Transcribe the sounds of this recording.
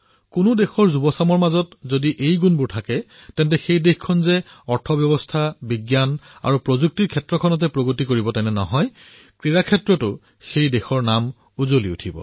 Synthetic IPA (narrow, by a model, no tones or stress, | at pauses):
kʊnʊdexɔɹzubɔsamɔɹmazɔtzodiʔejɡunbʊɹtʰakɛtɛntɛxejdexkʰɔnzɛɔɹtʰɔbjɔbɔstʰabiɡjana̰ɹupɹozuk̚tiɹkʰɛtɹɔkʰɔnɔt̬ɛpɹoɡotikoɹibɔtɛnɛnɔ̰ɦɔj | kɹiɹakʰɛtɹɔtʊ | xejdexɔɹnam | uzoliṵtʰibɔ̰